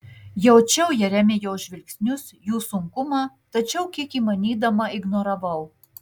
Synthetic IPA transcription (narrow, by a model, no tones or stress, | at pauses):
jɛʊt͡ʃʲɛʊjɛɾʲæːmʲeːjoːʒʲʋʲɪlʲksʲnʲʊsjuːsʊŋkʊmɑː | t̪ɐt͡ʃʲɛʊkʲiɛkiːmɐnʲiːd̪ɐmɐɪɡnoɾɐʋɐʊ